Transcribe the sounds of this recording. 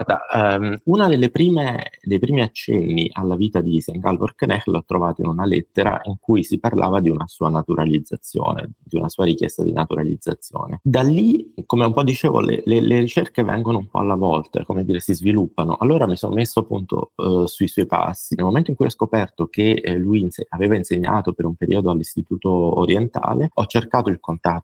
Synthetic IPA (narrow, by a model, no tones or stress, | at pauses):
rd̪a̰munad̪elːepɾiːmed̪ejpɾiːmiat͡ʃːɛ̰nːiʔalːaviːt̪ad̪isaŋɡalvorknɛxlɔt̪ːɾovaːt̪oinunalɛ̰t̪ːeɾa̰ʔiŋkujsiparlʔa̰ːvad̪iunasuːanat̪uɾalid̪zːat̪sːjo̰ːnḛd̪iunasuːaɾikjɛ̰st̪ad̪ḭnat̪uɾalḭd̪zːat̪sːjo̰ːned̪alːikomeumpɔd̪ːit͡ʃeːvo̰lḛleleɾit͡ʃerkevɛ̰ŋɡonoumpɔ̰a̰lːavɔlt̪a̰komed̪iːɾesizvilupːano̰ʔalːoːɾamisonʔo̰mesːoapːunt̪ʰo̰suiswɔjpa̰sːinelmoment̪oiŋkujɔskopɛrt̪okeluinseaveːvainseɲːa̰ːt̪opeɾumpeɾʔḭod̪oalːist̪it̪uːt̪oːɾjent̪a̰ːleɔt͡ʃːerkaːt̪oilkont̪a